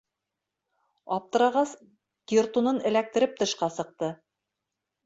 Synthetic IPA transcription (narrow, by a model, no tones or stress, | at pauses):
ɑp̚t̪ɤ̆ɾɑʁɑs | kʲirt̪unɤnɘ̆læk̚t̪ɘ̆ɾɘp̚t̪ɤ̆ʃqɑsɤ̆q̚t̪ɤ